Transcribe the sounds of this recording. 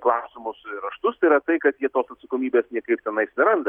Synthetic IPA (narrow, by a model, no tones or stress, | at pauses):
klˠɑːsʲɪmʊsɾɐʃt̪ʊst̪ɐɪɾɐt̪ɐɪkɐt̪jiɛt̪oːsɐt̪sɐkoːmʲiːbʲeːsnʲiɛkɐɪp̚t̪ʲɛnɐɪɐsʲɪɾɐnd̪ɐ